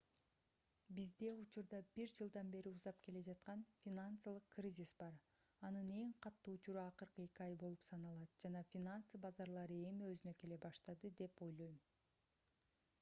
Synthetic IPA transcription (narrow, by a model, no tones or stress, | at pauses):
bizd̪e̞ut͡ʃuɾd̪ɑbiɾd͡ʒɯlˠd̪ɑnbe̞ɾiuzɑp̚ke̞le̞d͡ʒɑt̪qɑnfʲinant̪səlˠɯqkrʲizʲisbɑɾ | ɑnɯne̞ŋqʰɑt̪ːuːut͡ʃuɾuɑqɯɾqɯe̞kʲiɑjbo̞lˠupsɑnɑlˠɑt̪d͡ʒɑnɑfʲinant̪sɨbɑzɑɾlˠɑɾɯe̞miøzynø̞ke̞le̞bɑʃt̪ɑd̪ɯd̪e̞po̞jlˠo̞jm